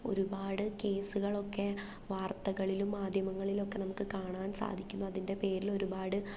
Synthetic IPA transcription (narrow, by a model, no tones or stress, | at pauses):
o̞̰ɾubaːɽɨke̞ːsuɣɐɭo̞kːe̞ | ʋaːrt̪ɐɣɐɭilumːaːd̪ʱjɐmɐŋːɐɭilo̞kːe̞nɐmukːɨkaːɳaːnsa̰ːd̪ʱikʲːunːɐɐðinde̞pe̞ːɾilo̞ɾubaːɽɨ